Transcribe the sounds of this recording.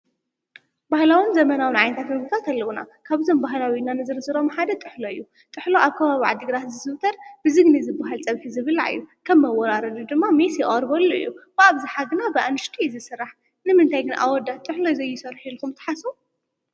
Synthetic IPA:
bahlawinzɐmɐnawinʕajnt̪ʰat̪mɨɡɨfʰat̪ʰalːɐwuna̰kʰaβzʰombaɦlawinanɨzɨɾɨsɨɾomħad̪ɐt̪ʼɨħloɨjːu | t̪ʼɨħlo̞ʔaβkʰɐβaβiʕa̰d̪ːɨɡɾat̪zɨsɨβt̪ʰɐɾbɨzɨɡnizɨbaɦalt͡sʼɐβkizɨβɨla̰ɨ̰jːukʰɐmːɐwɔɾaɾɐd̪ud̪ɨmːamesjɛχʼɾbɐlːoɨ̰jːub̥ɨaβzɨħaɡɨnabɨʔanɨʃt̪ʰizɨsɨrːaħ | nɨmɨnt̪ʰajɡɨnaʔawɔd̪at̪ʼɨħlozɐjːɪsɐɾħilkʰumt̪ʰɐ̥ħasu

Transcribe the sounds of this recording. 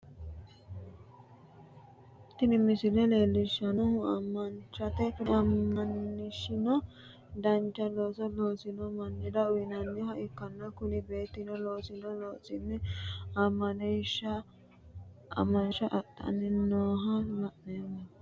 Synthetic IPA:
t̪ɪnɪmɪsɪlɛle̞ːlːɪʃːɐnɔhʊɐ̰mːɐnt͡ʃɐt̪ɛkʊnɐmːɐnːɪʃɪnɔ | d̪ɐnt͡ʃːɐloːsɔloːsɪnɔmɐnːɪd̪ɐʊjɪnɐnːɪhɐʔɪkːɐnːɐkʊnɪbe̞ːt̪ːɪnɔloːsɪnɔloːsɪnːɪɐmːɐniʃːɐ | ɐ̰mːɐnʃɐʔɐtʼːɐ̰nːɪnoːɦɐlɐʔnɛmɐ

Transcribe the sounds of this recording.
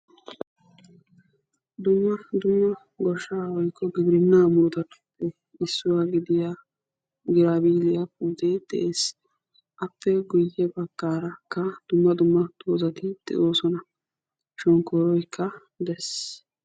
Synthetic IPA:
d̪ʊmːɐd̪ʊmːɐ | ɡɔʃːaːwɔjkʰːɔɡɪbɾɪnːaːmʊɾt̪ɐt̪ɐpːɛ | ɪsːʊwaːɡɪd̪ɪja | ɡɪɾaːbiːlɪjap̚uːt̪ed̪̥ɛ̰ʔeːs | ʔɐpːɛɡʊjɛbɐkːaːɾɐkːɐd̪̥ʊmːɐd̪ʊmːɐt̪oːzɐt̪ɪd̪̥ɛ̰ʔo̞ːsɔnɐ | ʃɔŋkɔːɾɔjkʰːɐ | d̪ɛs

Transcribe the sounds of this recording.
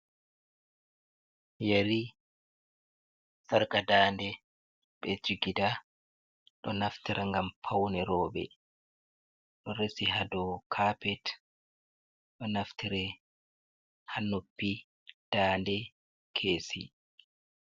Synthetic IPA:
jaɾi | saɾkadaːndɛ | ɓɛd͡ʒiɡida | ɗɔnaftiɾʔaŋɡampʰawnɛɾɔːbɛ̰ | ɗɔɾesiɦadɔkʰaːpɛt | ɗɔnaftiɾɛ | hanopːi | d̥aːndɛ | kʰeːsḭ

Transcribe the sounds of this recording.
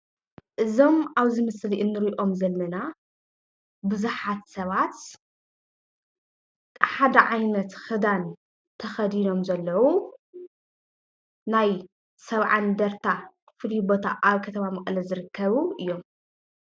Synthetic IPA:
ʔɨzo̞maβzɨmɐsliʔɨnːɨɾiʔo̞mzɐlːɐna | bɨzuħat̪sɐβat̪ | ħad̪ɐʕajnɐt̪xɨd̪an | t̪ʰɐxɐd̪ino̞mzɐlːɐwu | naj | sɐβʕand̪ɐɾt̪ʰakʰɨ̥flibo̞t̪ʰaʔaβkʰɐt̪ʰɐmamɐχʼlɐzɨɾɨkʰːɐβuʔɨjːo̞m

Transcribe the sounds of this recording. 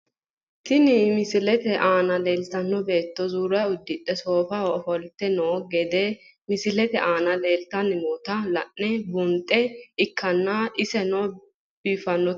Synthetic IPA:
t̪ɪnɪmɪsɪlɛt̪ɛʔaːnɐleːlt̪ɐnːɔbe̞ːt̪ːɔzuːɾɐʊd̪ːɪᶑɛso̞ːfɐɔfɔlt̪ːɛnoːɡɛd̪ɛ | mɪsɪlɛt̪ɛʔaːnɐle̞ːlt̪ɐnːɪmot̪ɐlɐ̰ʔːɛbʊnt̪ʼːɛɪkːɐnːaʔɪsɛnoː | b̥iːfːɐnːɔ

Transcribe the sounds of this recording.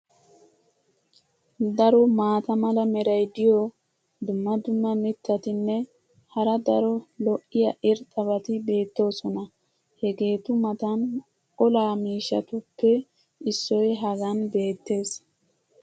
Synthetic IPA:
d̪ɐɾɔmaːt̪ɐmɐlɐmɛɾɐjd̪ɪjɔ | d̪ʊmːɐd̪ʊmːɐmɪt̪ːɐt̪ɪnːɛ | hɐɾɐd̪ɐɾɔlɔʔːɪjɐʔɪɾt̪ʼɐbɐt̪ɪbe̞ːt̪ːo̞ːsɔnɐ | hɛɡe̞ːt̪ʊmɐt̪ɐn | ɔlaːmiːʃːɐ̰t̪ʊpːɛ | ɪsːɔjɦɐɡɐnbe̞ːt̪ːe̞ːs

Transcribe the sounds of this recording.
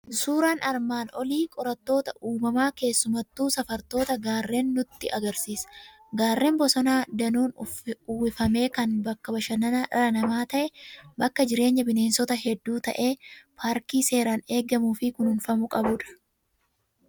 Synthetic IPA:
suːɾaːnɐɾmaːnɔliːkʼɔɾɐt̪ːo̞ːt̪ɐʔuːmɐmaːke̞ːsːʊmɐt̪ːuːsɐfɐɾt̪o̞ːt̪ɐɡaːrːe̞ːnːʊt̪ːɪʔɐɡɐɾsiːs | ɡaːrːe̞ːmbɔsɔnaːd̪ɐnuːnʊwɪfɐme̞ːkɐnbɐkːɐbɐʃɐnɐnɐɾɐnɐmaːt̪ɐʔɛbɐkːɐd͡ʒɪɾe̞ːɲːɐbɪne̞ːnsɔt̪ɐɦɛd̪ːuːt̪ɐʔe̞ːpʰaːɾkiːse̞ːɾaːne̞ːɡɐmuːfɪkʊnhʊnfɐmʊkʼɐbʊᶑɐ̥

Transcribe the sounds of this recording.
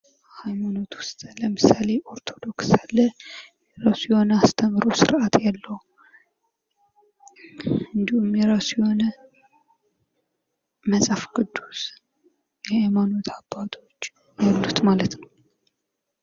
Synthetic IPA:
hajmano̞t̪wʊst̪ʼləmɨsale̞ʔo̞ɾt̪ʰo̞d̪o̞ksalːəjɛɾasjɛho̞nəast̪ʰəmɾosɨɾʔat̪ʰjalːəhu | ɨnd̪ihumjɛɾasjɛho̞nə | məsʼafɡɨd̪ːuz̥ | jɛhajmano̞t̪ʰabːat̪ʰʼo̞t͡ʃː | jalːut̪malət̪nəw

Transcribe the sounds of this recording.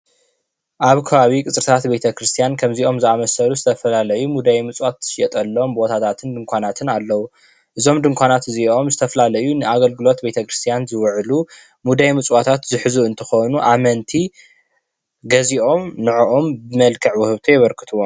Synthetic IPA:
ʔaβkʰɐβaβikʼɨt͡sʼɾɨt̪ʰat̪be̞t̪ʰɐkɾɨst̪ʰijankʰɐmzio̞mzɨamɐsɐluzɨt̪ʰɐfɐlalɐjumud̪ajmɨt͡sʼwat̪ːʃɛt̪ʼɐlːo̞mbo̞t̪ʰat̪ʰat̪ʰɨnd̪ɨŋkʷʰanat̪ʰɨnalːɐwu | ʔɨzo̞md̪ɨŋkʷanat̪ɨzio̞mzɨt̪ʰɐfɐlalɐjunɨaɡɐlɡɨlo̞t̪be̞t̪ʰɐkɾɨst̪ʰijanzɨwʕlu | mud̪ajmɨt͡sʼwat̪ʰat̪zɨħɨzuɨnt̪ʰɨxonuʔamɐnt̪ʰi | ɡɐziʔo̞mnɨʕuʔombɨmɐlkʰɐʕwʊhɨβt̪ʰojɛβɐɾkʰɨ̥t̪ʰuwom

